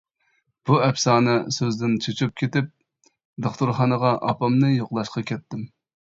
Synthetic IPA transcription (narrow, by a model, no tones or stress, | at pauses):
b̥uɛpsɑːnɨsøzd̪ɪnt͡ʃʰot͡ʃʰup̚kʲʰet̪ɪp̚ | d̪oχt̪ʊɾχɑnəʁɑʔɑpɑmnɨjoqlˠɑʃqɑkʲʰɛt̪ːɪm